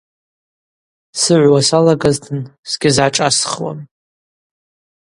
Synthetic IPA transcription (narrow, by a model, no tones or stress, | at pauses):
sɨʕʷwasalaɡaztʰɨnsɡʲɪzʕaʈ͡ʂʼasχwa̰n